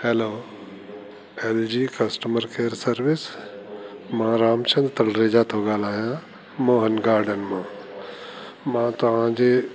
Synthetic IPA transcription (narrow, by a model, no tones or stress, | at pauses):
heloː | eːld͡ʒiːkɐsʈəməɾkeːəɾsɐɾʋɪs | mãːɾaːmt͡ʃɐ̃nd̪t̪ɐlɾeːd͡ʒaːt̪oːɡaːlaːɦjãː | moːɦənɡaːɾɖənmãː | mãːt̪ɐʋ̤ãːd͡ʑeː